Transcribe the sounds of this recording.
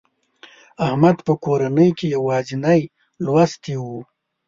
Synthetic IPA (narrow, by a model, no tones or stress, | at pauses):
ahmad̪pəkoɾanəjkejawɑzɪnaj | lwast̪iwu